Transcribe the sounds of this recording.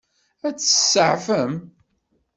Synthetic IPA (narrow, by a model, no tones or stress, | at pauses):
æt͡sːə̥səʕfəm